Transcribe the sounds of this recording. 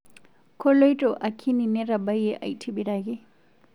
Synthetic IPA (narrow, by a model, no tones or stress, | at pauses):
kʰolojʈoʔakʰːinineɾabɐjeʔa̰jtʰibiɾaɡi